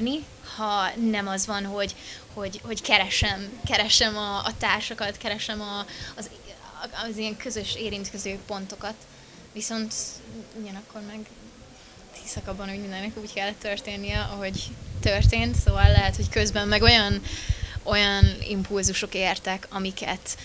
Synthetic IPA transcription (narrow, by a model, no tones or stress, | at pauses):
ni | hɒnɛmɒzʋɒnɦo̞ɟho̞ɟho̞ɟkɛɾɛʃɛmkɛɾɛʃɛmɒːt̪aːrʃɒkɒt̪kɛɾɛʃɛmɒːz | zijɛŋkø̞zøʃeːɾint̪køzøːpo̞nt̪o̞kɒt̪ | ʋiso̞nt̪uɟɒnɒkːo̞rmɛɡ | t̪ʰisɒkɒbːɒnuːɟmind̪ɛnɛkuːckɛlːɛt̪ːørt̪eːnːijɛʔɒɦo̞ɟt̪ørt̪eːnt̪soːvɒlːɛɦɛt̪ho̞ckø̞zbɛmːɛɡo̞jɒn | o̞jɒnḭmpulzuʃo̞keːrt̪ɛkɒmikɛ̰t̪